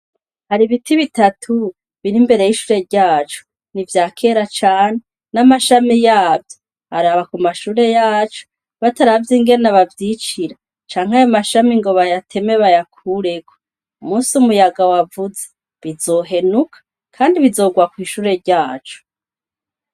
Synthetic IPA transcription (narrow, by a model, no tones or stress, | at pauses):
haɾiβitiβitatʰu | βiɾimbe̞ɾe̞jiʃuːɾe̞ɾɟaːt͡ʃo̥ | nivjaːkʰe̞ɾat͡ʃaːn̥e | namaʃamijaːbjo | aɾaβakumaʃuːɾe̞jaːt͡ʃo̥ | βataɾavjiŋɡe̞nnaβavjit͡ʃiɾa | t͡ʃaːŋ̥hajomaʃamiŋɡo̞βajatʰe̞me̞βajakʰuɾe̞ɡwo | umuːsiumujaɡawavuze | βizo̞ɦe̞nukʰḁ | kʰaːndiβizo̞ɡwakwiːʃuːɾe̞ɾɟaːt͡ʃo̥